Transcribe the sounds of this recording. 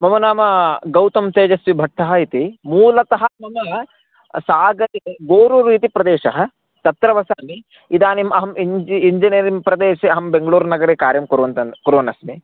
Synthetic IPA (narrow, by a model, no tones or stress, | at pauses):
mɐmɐnaːmɐɡɐwt̪ɐmt̪eːd͡ʒɐsʋibʱɐʈ̚ʈʰːɐɦɐit̪imuːlɐt̪ɐɦɐmɐmɐ | saːɡɐɾeɡoːɾuɾiːt̪ipɾɐd̪eːʃɐɦɐ̆ | t̪ɐt̪ɾɐʋɐsaːmi | id̪aːnimɐɦɐmiɲd͡ʒiːɲd͡ʒinɐɾimpɾɐd̪eːʃeɐɦɐmbeŋɡɐɭuːɾnɐɡɐɾeːkaːɾjɐmkuɾʋɐnt̪ɐkuɾʋɐnɐsmi